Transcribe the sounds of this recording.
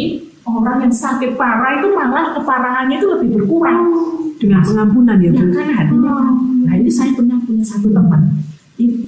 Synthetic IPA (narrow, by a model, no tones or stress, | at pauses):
ʔoɾaŋjaŋsakɪt̪̚paɾait̪umaŋahkəpaɾaŋanɲait̪uləb̥ɪhbərkuɾaŋd̥əŋanpəŋampunanjabəkanaɦadiɲanainisajapunampunsat̪ut̪əmən | i